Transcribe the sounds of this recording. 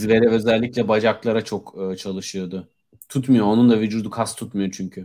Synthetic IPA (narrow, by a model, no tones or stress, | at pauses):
zve̞ɾɛø̞zɛlʲːicʲlʲɛbad͡ʒaklˠaɾat͡ʃʰo̞kːt͡ʃʰalˠɯʃɯjo̞d̪ʊ | t̪ʰut̪mɯjoonund̪avyd͡ʒuːd̪ukʰast̪ʰut̪mɯjot͡ʃʰyɲcʰy